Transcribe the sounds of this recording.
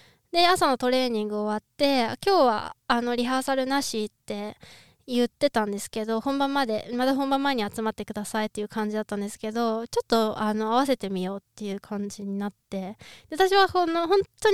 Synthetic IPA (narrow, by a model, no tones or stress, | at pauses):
d̪e̞asano̞t̪o̞ɾe̞ːɲ̟ĩŋɡɯ̟oβat̪ːe̞a̰kʲo̞ːβa̰ːno̞ɾʲiɦasaɾɯ̟naɕit̪ːe̞ | jɯ̟t̪ːe̞t̪ãnd̪e̞sɨ̥ke̞d̪o̞hõ̞mbãmːad̪e̞mad̪ahõmbãmːaeɲ̟iat͡sɨmat̪ːe̞kɯ̟d̪asait̪ːe̞jɯ̟kãɲ̟d͡ʑid̪at̪ːãnd̪e̞sɨ̥ke̞d̪o̞t͡ɕo̞t̪ːo̞ano̞aβase̞t̪e̞mʲijo̞ːt̪ːe̞jɯ̟kʰãɲ̟d͡ʑiɲ̟inat̪ːe̞d̪at̪aɕiβahonoɦõ̞nt̪ːo